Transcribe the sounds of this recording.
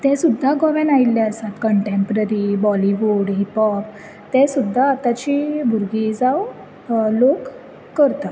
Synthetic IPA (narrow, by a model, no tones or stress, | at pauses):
t̪ɛsud̪ʱːaɡɔʋenailːaəsat̪kəɳʈempɾəɾibɔliʋuɽɦipɔp | t̪ɛsud̪ʱːaːt̪at͡ɕibʱuɾɡid͡zaw | lokː | əɾt̪a